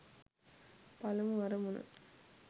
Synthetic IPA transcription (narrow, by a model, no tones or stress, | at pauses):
pɐlɐmʋɐɾɐmʊnɐ̰